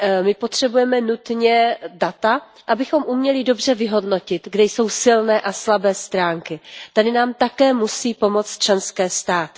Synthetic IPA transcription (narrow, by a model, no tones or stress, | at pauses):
mɪpo̞t̪r̝̥ɛbujɛmɛnut̪ɲɛdat̪a | ʔabɪxo̞mʔumɲɛlɪdo̞br̝ɛvɪɦo̞dno̞cɪt̪ɡdɛjso̞wsɪlnɛːʔaslabɛːst̪ɾaːŋkɪt̪adɪnaːmt̪akɛːmusiːpo̞mo̞t͡st̪t͡ʃɛnskɛːst̪aːt̪ɪ̥